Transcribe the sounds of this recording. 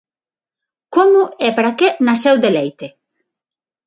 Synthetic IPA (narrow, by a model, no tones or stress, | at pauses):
komʊɛpaɾakenasɛwd̪elejt̪e